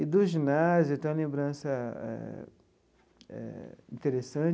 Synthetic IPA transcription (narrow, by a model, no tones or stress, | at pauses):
id̪ʊʒinazjʊt̪ẽj̃ɐlẽbɾɐ̃sɐɛ̰ | ɛ̰ĩt̪eɾesɐ̃